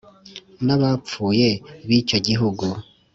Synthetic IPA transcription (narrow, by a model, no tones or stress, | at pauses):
naβap͡fuːje̞βit͡ʃo̞ɟiɦuɡu